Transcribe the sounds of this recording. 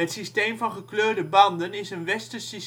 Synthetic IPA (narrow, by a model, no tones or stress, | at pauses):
ətsisteːmfɔnχəkløːdəbɑndənɪsənʋɛstəsis